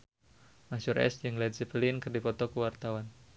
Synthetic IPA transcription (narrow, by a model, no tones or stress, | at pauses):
masuɾʔɛ̰sd͡ʒəŋlɛd̪siplinkərdipɔt̪ɔkuwart̪awan